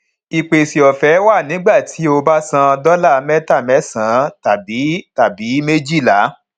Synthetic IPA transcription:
i˨k͡pe˨si˨ɔ˨fɛ˨˦wa˦˨nĩ˨˦ɡ͡ba˦˨ti˨˦o˧ba˦sã˧dɔ˦la˦˨˦mɛ̃˦ta˦˨mɛ˦sã˨˦ta˨bi˨˦ta˨bi˨˦me˦d͡ʒi˦˨la˨˦

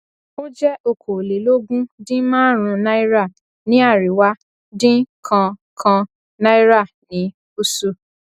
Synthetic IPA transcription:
o˦d͡ʒɛ˦ʔo˧kʰo˨le˨lo˦ɡũ˦dĩ˦mãː˦ɾ̃ũ˧na˦i˦ɾa˦˨ | nĩ˦a˦˨ɾi˨wa˦ | dĩ˦kʰã˧kʰã˧ | na˦i˦ɾa˦˨ | nĩ˨˦ | u˦su˦˨

